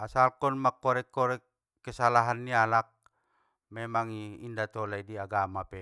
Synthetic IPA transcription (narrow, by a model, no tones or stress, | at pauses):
asalkɔnmakːɔɾɛkːɔɾɛkː | əsalaɦanːialak̚ | mɛmaŋiindat̪ɔlaidiaɡamapɛ